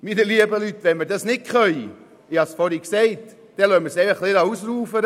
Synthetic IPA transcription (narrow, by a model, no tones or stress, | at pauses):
minəliəbəlyt̪ːʋɛnməɾdɑsnɪt̚kχœj | ɪhɑsfɔɾiksɛɪt | d̥ɛlœməɾsɛɪfəχlɪdɑusɾuːfəɾ